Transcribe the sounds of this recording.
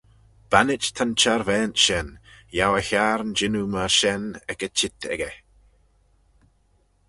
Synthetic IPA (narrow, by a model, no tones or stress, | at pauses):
b̥anɪt͡ʃt̪ʰant͡ʃaɾvɛːntʃɛnjawəçaːɾənd͡ʒɪnuməɹʃɛnɛkət͡ʃʰɪt̪ʰɛ̰ɡə